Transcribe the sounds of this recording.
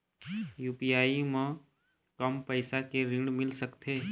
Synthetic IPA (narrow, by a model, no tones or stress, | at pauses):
juːpijaːimã | kəmpəɪsakeɾɪ̃ɖmɪlsəkt̪ʰeː